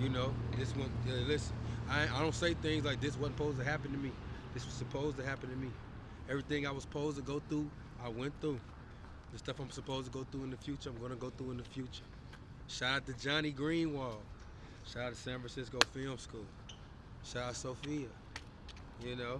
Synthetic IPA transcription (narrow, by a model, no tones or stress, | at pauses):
jɨnoʊðɪswʌ̃nɛlɪsɨ̃naɪaɪɾõʊ̃ntseɪθɪ̃ŋzlaɪk̚ðɪswʌtpʰoʊztɨɦæpɨ̃n̩tʰɨmiðɪswʌz̥sɨpʰoʊztɨɦæpɨ̃n̩tʰɨmi | ɛvɹiθɪ̃ŋaɪwʌz̥pʰoʊztəɡoʊθɹu | aɪwɛ̃nθɹu | ðɨstʌfãɪ̃msəpʰoʊztʰəɡoʊθɹuə̃nðɨfjʉt͡ʃə˞ãɪ̃mɡʌnəɡoʊθɹuə̃nðɨfjʉt͡ʃə˞ | ʃaɪɾɨt̪̚ðɨd͡ʒɑñiɡɹĩnwɔlˠ | ʃaɪɾɨtə̥sæ̃nfɹæ̃nsɪskoʊfɪlˠmskulˠ | ʃaɪɾɨsoʊfiɨ | jɨnoʊ